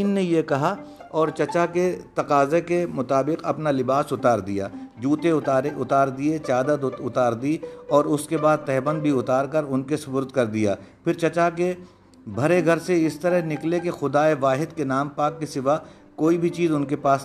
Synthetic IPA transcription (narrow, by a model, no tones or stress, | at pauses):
iːnːejekɐɦaɔːɾt͡ʃɐt͡ʃaket̪ɐqaːzekemʊt̪aːbɪqɐ̰pnalɪbaːsʊt̪aːɾd̪ija̰ːd͡ʒuːt̪eeʊt̪aːɾd̪iet͡ʃaːd̪ət̪ʊt̪aːɾd̪iɔːɾʊskebaːd̪̚t̪ɛɦbə̃nd̪̚bʱiʊt̪aːɾkɐɾʊnkesʊpʊɾd̪kɐɾd̪ijaːpʰɪɾt͡ʃɐt͡ʃake | bʱɐɾeɡʱɐɾseɪst̪ɐɾəɦnɪklekexʊd̪aːeʋaːɦɪd̪kenaːmpaːkːisɪʋa | koːibʱit͡ʃiːzʊnkepaːs